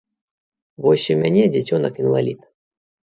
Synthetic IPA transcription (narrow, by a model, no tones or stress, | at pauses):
vɔɕʲimʲanʲɛd͡zʲɛt͡sʲɔnɐkinva̰lʲit̪